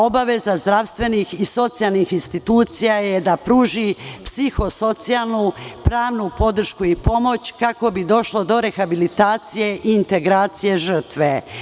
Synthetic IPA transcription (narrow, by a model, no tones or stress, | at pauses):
o̞baʋe̞zazd̪ɾaʋst̪ʋe̞nixiso̞t̪sijalˠnixinst̪it̪uːt̪sijajed̪apɾuːʒipsixo̞so̞t̪sialˠnupɾaːʋnupo̞d̪r̩ʃkuipo̞mo̞t͡ɕkako̞bid̪o̞ʃlo̞d̪o̞ɾe̞xabilit̪aːt̪sije̞ʔiːnt̪e̞ɡɾaːt̪sije̞ʒər̩t̪ʋe